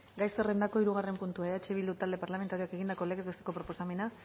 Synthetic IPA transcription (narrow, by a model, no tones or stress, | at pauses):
ɡajsere̞nd̪ako̞iɾuɣare̞mpunt̪uaeat͡ʃeβild̪ut̪ald̪e̞paɾlame̞nt̪aɾioake̞ɣind̪ako̞leɣezβet̪eko̞pɾo̞po̞same̞na